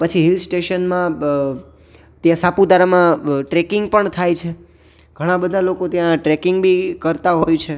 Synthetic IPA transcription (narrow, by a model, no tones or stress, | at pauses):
pət͡ʃʰiɦilsʈeʃənmã | t̪jãsapud̪aɾamãʈɾɛkɪŋɡpəɳt̪ʰajt͡ʃʰe | ɡ̥ʱəɽ̃ãbəd̪ʱalokot̪jãʈɾɛkɪŋɡbʱikəɾt̪aɦojt͡ʃʰe